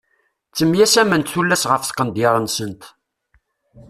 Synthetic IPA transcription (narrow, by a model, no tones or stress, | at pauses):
t͡sːəmjæsæmənt̪θulːæsʁəfθqːənd̪jɪɾˤənsənt̪